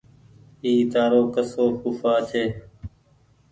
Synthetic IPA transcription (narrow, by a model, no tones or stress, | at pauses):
iːt̪aːɾoːkəsoːpufaːt͡ʃʰeː